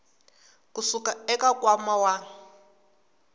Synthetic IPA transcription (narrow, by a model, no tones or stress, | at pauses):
kusukaɛkakʼwamawa